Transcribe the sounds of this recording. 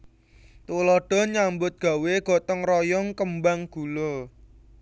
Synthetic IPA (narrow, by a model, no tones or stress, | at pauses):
t̪ulɔɖ̥ɔ̤ɲambʊt̪̚ɡ̥a̤weɡ̥ɔ̤t̪ɔŋrɔjɔŋkəmbaŋɡ̥ulo